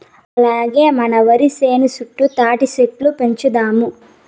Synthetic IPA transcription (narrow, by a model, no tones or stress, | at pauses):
ɐlaːɡe̞ːmɐnɐʋɐɾiseːnisuʈːut̪aːʈiseʈlupeɲt͡ʃud̪aːmu